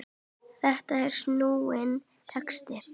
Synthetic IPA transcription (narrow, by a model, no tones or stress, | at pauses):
θɛht̪aɛɾ̥snuːwɪn | t̪ʰɛkst̪ɪp